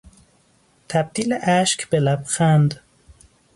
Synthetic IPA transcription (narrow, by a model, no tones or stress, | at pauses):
t̪ʰæb̚d̪iːleʔæʃkʰb̥elæbxænd̪